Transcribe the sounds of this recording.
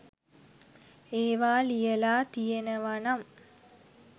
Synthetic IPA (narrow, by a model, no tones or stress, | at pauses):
eːʋaːlijəlaːt̪ijenəʋanam